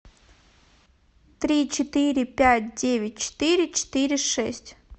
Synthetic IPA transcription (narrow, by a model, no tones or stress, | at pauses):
t̪ɾʲit͡ɕɪt̪ɪɾʲɪpʲætʲdʲeʋʲɪt̚ʲt͡ɕɪ̥t̪ɪɾʲɪt͡ɕɪ̥t̪ɪɾʲɪʂɛsʲtʲ